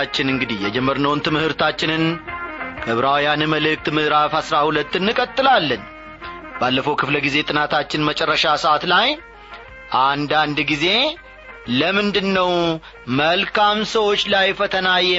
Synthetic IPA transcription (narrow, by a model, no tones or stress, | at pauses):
at͡ʃːɪnɨŋɡɨd̪ijɛd͡ʒɛmːəɾnəwnt̪ʰɨmɨhɨɾt̪ʰat͡ʃːɪnɨn | kʰəβɾawjanɨməlɨk̚t̪mɨhɾafhasɾahulət̪ːɨnːɨkʼət̪ʼːɨlalːən | balːəfəwkʰɨfləɡize̞t̪ʼɨnat̪ʰat͡ʃːɪnmət͡ʃʼɛrːəʃasəʔat̪laj | ʔand̪and̪ɡize̞ | ləmɨnd̪ɨnːəw | məlkʰamsəwo̞t͡ʃːlajfət̪ʰənajɛ